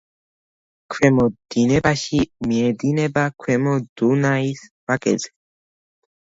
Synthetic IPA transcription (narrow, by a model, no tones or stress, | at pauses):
kʰwɛmɔd̪̥inɛbaʃimiɛd̪inɛbakʰwɛmɔd̪̥unaisbakʼɛ̰zɛ